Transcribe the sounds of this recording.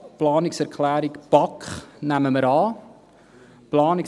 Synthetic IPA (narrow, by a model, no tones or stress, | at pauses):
plɑːnɪksɛrkʰlæːɾikb̥ɑknæməməɾɑː | plɑːnɪk